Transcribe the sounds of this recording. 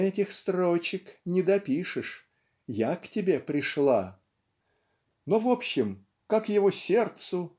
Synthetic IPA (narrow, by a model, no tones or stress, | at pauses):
ɛtʲɪxst̪ɾo̞t͡ɕɪknʲɪd̪ɐpʲiʂɨʂ | jaktʲɪbʲe̞pɾʲɪʂlˠa | novopɕːɪm | kakjɪvosʲe̞rt̪sʊ